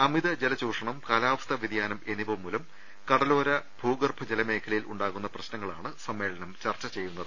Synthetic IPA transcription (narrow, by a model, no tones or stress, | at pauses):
ɐmid̪ɐd͡ʑelɐt͡ɕuːʂɐɳɐmkaːlaːʋɐst̪ʰɐʋid̪jaːnɐme̞nibɐʋmːuːlɐm | kɐɽɐlo̞ːɾɐbʱuːɡɐrbʰʱɐd͡ʑelɐme̞ːkʰɐlɐjiluɳɖaːɣunːɐprɐɕnɐŋːɐɭaːɳɨsɐmːe̞ːɭɐnɐmt͡ɕɐrt͡ɕːɐt͡ɕejːunːɐðɨ